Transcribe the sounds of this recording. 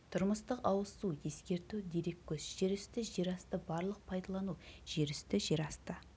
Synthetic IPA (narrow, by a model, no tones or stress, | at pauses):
t̪ʰʊɾməst̪əqɑwəsuje̞skʲe̞ɾt̪ud̪eɾe̞kʲːɵsʒ̥eɾɪst̪ɪʒeɾɑst̪əbɑɾlˠəq̚pʰɑjd̪ɑlˠɑnuʒ̥e̞ɾʏst̪ɪʒe̞ɾɑst̪ə